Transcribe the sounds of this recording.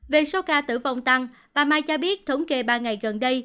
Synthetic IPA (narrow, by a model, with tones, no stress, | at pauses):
ve˨˩so˨˦kaː˧t̪ɨ̰˧˩va˨˧˩wŋ͡mt̪a˧ŋ | ɓaː˨˩maː˧jt͡ɕɔ˧ɓi˦˥ət̚t̪ʰə˨˦wŋ͡mke˧˩ɓaː˧ŋa˨˩jɣə˨˩nɗə˧j